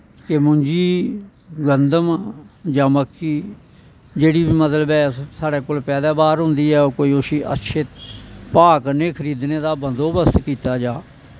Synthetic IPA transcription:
kemʊɲd͡ʒiː | ɡənd̪əmd͡ʒaːməkːiː | d͡ʒeːɽiːbiːmət̪ləbɛːsaːɽɛːkoːlpɛːd̪aːbaːɾɦʊ̃nd̪iːɛːoːkoːiːʊsiːʔə̰tːʃʰɪt̪paːkneːkʰəɾiːd̪neːd̪aːbənd̪oːbəst̪kiːt̪aːd͡ʒaː

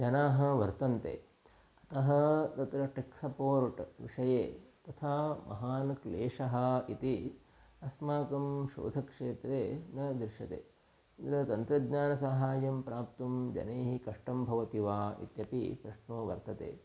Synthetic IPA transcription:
d͡ʒɐnaːɦɐ̆ʋɐɾt̪ɐnt̪ḛː | ɐt̪ɐɦɐ̆t̪ɐt̪ɾɐʈeksɐpoːɾʈʋḭʂɐjeːt̪ɐt̪ʰaːmʔɐ̰ɦaːnɐkleːʂɐɦɐit̪i | ɐsmaːkɐmʃo̰ːd̪ʱɐkʂeːt̪ɾeːnɐd̪ɾʃɐt̪ḛː | d̪ɾɐt̪ɐnt̪ɾɐd̪ɲaːnɐs̬ɐɦaːjɐmpɾaːp̚t̪ɐmd͡ʒɐ̰neːɦikɐʂʈɐmbʱɐʋɐt̪iʋaːḭt̪jɐpḭpɾɐʂɳoːʋɐ̰ɾt̪ɐt̪ḛː

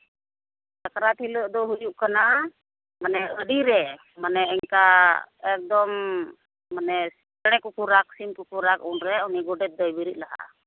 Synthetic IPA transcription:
takɾat̪ʰilɔʔd̪ɔɦujuʔkana | manɛədiɾɛ | manɛɛŋkaɛk̚d̪ɔmː | anɛ | ɽ̃ɛkukuɾaksimkukuɾakunɾɛuniɡɔɖɛt̪̚d̪ɔjbiɾiʔ̪̚laɦa̰

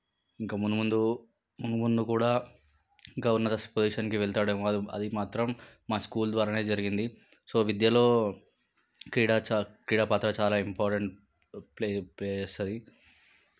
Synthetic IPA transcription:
iŋkamunumund̪u | munumund̪ukuːɽaː | ŋɡaːunːɐd̪ɐspod͡ʒiːʃɐnkiʋɛɭt̪aːɽɐmoːd̪iɐ̰d̪imaːt̪ɾɐmːaːskuːld̪ʋaːɾane̞ːd͡ʒɐɾiɡind̪i | so̞ːʋid̪jɐlo̞ː | kɾiːɽaːt͡ʃkɾiːɽaːpaːt̪ɾɐt͡ʃaːlaːimpaːɾʈɐɳʈ | plepleːeːst̪ɐd̪i

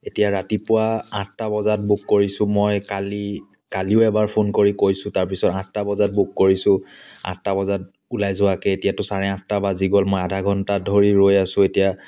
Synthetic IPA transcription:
etijaɹatipʊwaattabɔzat̚bukːoɹisʊ̃mojkali | kaliʊɛbaɹpʰonkoɹikojsʊ̃taɹp̬isɔtãttːabɔzat̚bukːoɹisʊ̃a̰ttːabɔzat̚ | ulajzʊwakɛetijatʊsaɹɛãtːabaziɡɔlmojadʱaɡʱɔntadʱoɹiɹojasʊ̃etija

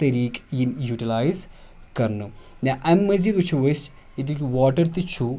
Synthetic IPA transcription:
t̪ɐɾiːkjinjuːʈilaːjz | kɐɾnu | nɐʔɐmːɐziːd̪ut͡ʃʰuʋɐs | it̪̬ikʲʋaːʈɐɾt̪it͡ʃʰu

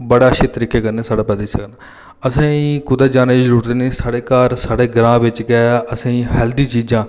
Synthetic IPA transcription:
bəɽaːʃeːt̪əɾiːkeːkəɾneːsaːɽaːpɛːd̪iːsəkna | əsãːĩːkʊd̪aːd͡ʒaːneːd͡ʒd͡ʒəɾuːɾd̪neːsaːɽeːkaːɾsaːɽeːɡɾãːʋɪt͡ʃɡɛːaəsãːĩːɦɛːld̪iːt͡ʃiːd͡ʒãː

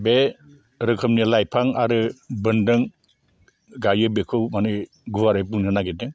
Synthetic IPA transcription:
be | ɾɯkʰɯmnilajpʰaŋaɾɯbɯndɯŋ | ɡajɯbekʰɯwmanɯ | ɡuwaɾejpɯŋnɯnaɡedɯ

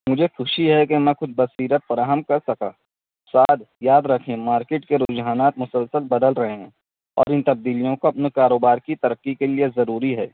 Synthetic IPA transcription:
mʊd͡ʒʱexʊʃiɦɛkemɛ̃kʊt͡ʃʰbɐsiːɾət̪̚fɐɾaːɦəmkɐɾsɐka̰ː | saːd̪jaːd̪ɾɐkʰẽmaːɾkeːʈkeɾʊd͡ʒɦaːnaːt̪mʊsəlsəlbɐd̪əlɾɐɦeɦɛ̃ː | ɔ̰ːɾɪ̃nt̪ɐb̚d̪iːlijõkoɐpnekaːɾoːbaːɾkit̪ɐɾəkːikeliezɐɾuːɾiɦɛː

